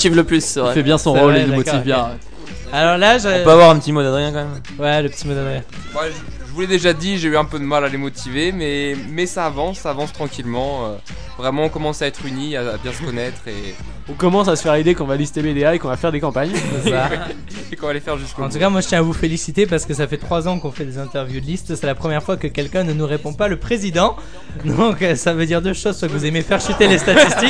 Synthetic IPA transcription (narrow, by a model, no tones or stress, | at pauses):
k̪ivləplysːɛvʁɛfɛbjɛ̃sɔ̃ʁolenumɔtivbjɛ̃ | alɔʁlaʒɔpøavwaʁɛ̃pət̪imod̪ad̪ʁijɛ̃kɑ̃mɛm | wɛləpət̪imod̪ad̪ʁijɛ̃ | mwaʒ | ʒəvulɛd̪eʒad̪iʒeyɛ̃pød̪əmalalemɔt̪ʰivemɛmɛsaːvɑ̃sːaːvɑ̃st̪χɑ̃kʲilmɑ̃ø | vʁɛmɑ̃ɔ̃kɔmɑ̃saɛt̪χyniaabjɛ̃sə̥kɔnɛt̪χe | ɔkɔmɑ̃sasə̥fɛʁid̪ekɔ̃valist̪emed̪eaekɔ̃vafɛʁd̪ekɑ̃paɲsɛsa | ekɔ̃valefɛʁʒyskoɑ̃t̪ukamwaʒət̪jɛ̃avufelisit̪ep̬aʁsə̥kəsafɛt̪χwazɑ̃kɔ̃fɛd̪ezɛ̃t̪ɛʁvjud̪əlist̪sɛlapχəmjɛʁfwakəkʲɛlkʲɛ̃nənuʁepɔ̃paləpχezid̪ɑ̃ | d̪ɔ̃køsavød̪iʁd̪øʃozswakəvuzemefɛʁʃyt̪elest̪at̪ist̪ik